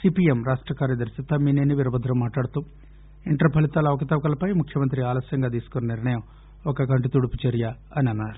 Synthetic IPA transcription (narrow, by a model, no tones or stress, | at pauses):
sipiemɾaːʂʈɾɐkaːɾjɐd̪ɐɾsit̪ːɐmiːneːniʋiɾɐbɐd̪ʱɾɐmːaːʈlaːɽut̪uː | iɳʈɾɐpʰɐlit̪aːlɐʋɐkɐt̪ɐʋɐkɐlɐpɐjmukʰjɐmɐnt̪ɾiaːlɐsjɐŋɡaːd̪iːsu̥konɐniɾɳɐjɐm | ɔkɐkɐɳʈit̪uɽuput͡ʃɐɾjɐ | ɐniɐnːaːɾu